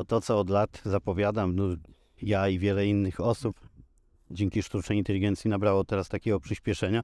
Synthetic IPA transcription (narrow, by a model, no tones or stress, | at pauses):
ɔt̪ɔt̪sɔːd̪lat̪zapɔvʲjad̪am | jaivʲjɛlɛinːɘxɔsup | d͡ʑɛŋkʲiʂt̪ut͡ʂnɛjint̪ɛlʲiɡɛnt̪sʲjinabɾawɔt̪ɛɾast̪akʲɛɡɔpʂɘɕpʲjɛʂɛɲa